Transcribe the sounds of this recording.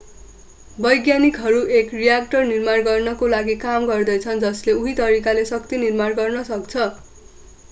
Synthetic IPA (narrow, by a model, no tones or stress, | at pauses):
bʌjɡjanikɦʌɾuʔekrijak̚ʈʌrnirmarɡʌrnʌkolaɡikamɡʌrd̪ʌjt͡sʰʌnd͡zʌsleuɦit̪ʌɾikalesʌkt̪inirmarɡʌrnʌsʌk̚t͡sʰʌ